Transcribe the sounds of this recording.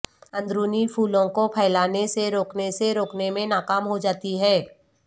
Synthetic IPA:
ə̃nd̪ɾuːnipʰuːlõkopʰɛːlaːneseɾoːkneseɾoːknemẽnaːkaːmɦod͡ʒaːt̪iɦɛː

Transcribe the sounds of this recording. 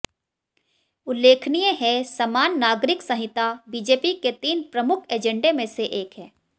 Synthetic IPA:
ʊlːeːkʰnijẽɦɛ̃sɐmaːnːaːɡɾɪksɐ̃ɦɪt̪abiːd͡ʒeːpiket̪iːnpɾɐmʊkʰeːd͡ʒə̃ɳɖemẽseʔeːkɦɛː

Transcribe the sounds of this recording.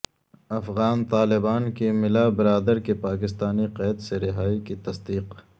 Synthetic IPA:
ɐfɣaːnt̪aːlɪbaːnkemɪlabɪɾaːd̪əɾkepaːkɪst̪aːniqɛːd̪seɾɪɦaːikit̪ɐsd̪iːq

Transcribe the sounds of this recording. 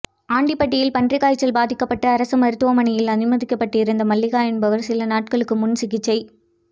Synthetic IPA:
aːɳɖipːɐʈ̬ːɪjɪlpɐndrɪɣaːjt͡ʃːɐlbaːðɪkːɐpːɐʈːɐːɾɐsɐmɐɾɯt̪ːɯʋɐmɐnɪjɪlɐðɪmɐðɪkːɐpːɐʈːɪɪɾɯnd̪ɐmɐlːɪɣaːjɛnbɐʋɐɾsɪlɐnaːʈ̚kɐɭɯkːɯmʊnsɪɣɪt͡ʃːɐɪ

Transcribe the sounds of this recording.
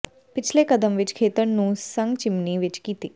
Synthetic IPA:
pɪt͡ʃʰleːkəd̪əmʋɪt͡ʃkʰeːt̪əɾnũːsə̃ŋɡt͡ʃɪmniːʋɪt͡ʃkiːt̪iː

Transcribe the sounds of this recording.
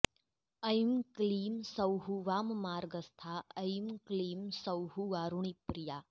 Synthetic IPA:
ɐjmkliːmsɐwɦuʋaːmmaːɾɡəst̪ʰaɐjmkliːmsɐwɦuʋaːɾuɳipɾija

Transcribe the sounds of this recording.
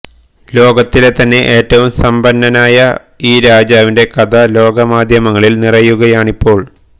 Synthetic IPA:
lo̞ːɡɐt̪ːilet̪ɐnːe̞ʔe̞ːtːɐʋumsɐmbɐnːɐnaːjɐ | iːɾaːd͡ʑaːʋinde̞kɐd̪ɐlo̞ːɡɐmaːd̪ʱjɐmɐŋːɐɭilnirɐjuɣɐjaːɳipːo̞ːɭ

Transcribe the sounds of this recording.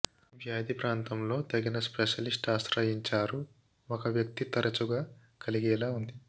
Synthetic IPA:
ʋjaːd̪ipɾaːnt̪ɐmlo̞ːt̪ɐɡinɐspeʃɐlisʈaːsɾɐjiɲt͡ʃaːɾu | ɔkɐʋjɐk̚t̪it̪ɐɾɐt͡ʃuɡaː | kɐliɡɛːlaːund̪i

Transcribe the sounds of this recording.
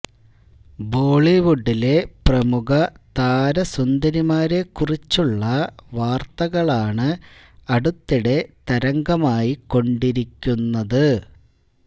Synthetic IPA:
bo̞ːɭiʋuɖːile̞prɐmuɣɐ | t̪aːɾɐsund̪ɐɾimaːɾe̞kurit͡ɕːuɭːɐʋaːrt̪ɐɣɐɭaːɳɨ | ɐɽut̪ːiɽe̞t̪ɐɾɐŋɡɐmaːjiko̞ɳɖiɾikʲːunːɐðɨ

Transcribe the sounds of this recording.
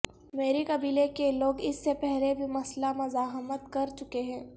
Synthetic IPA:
meːɾekɐbiːlekeloːɡɪsːepɛɦlebʱimɐslamɐzaːɦmət̪kɐɾt͡ʃʊkeɦɛ̃ː

